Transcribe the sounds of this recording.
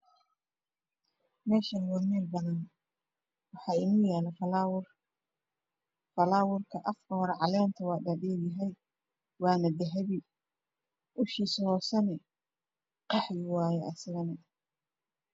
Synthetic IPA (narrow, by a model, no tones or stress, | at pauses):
mɛːʃɐnwɑːmɛːlbɐðɐn | wɑħɑːɪnʊjæːlɐ | fɐlaːwʊrkʰɐʔɐfkʰɐhɔɾɛʕɑlɛːnt̪ʰɐwɑːdɐɖɛːljɐɦɛj | wɑːnɐd̪ɐɦɛβi | ʔʊʃiːshɔːsɐnɛ | qɑħjɪwɑːjɛʔɐsɐɣɐnɐ